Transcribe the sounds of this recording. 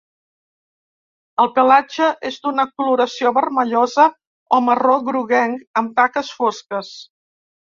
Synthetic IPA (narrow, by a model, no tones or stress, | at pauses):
əlˠpəlad͡ʒəʔezd̪unəkuluɾəsioβərməʎɔzə | ɔməroɣɾuɣɛŋəmt̪akəsfoskəs